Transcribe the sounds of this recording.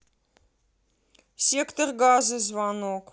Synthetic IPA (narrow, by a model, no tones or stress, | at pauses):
siəktərɡɑːzəs̬vɑːnok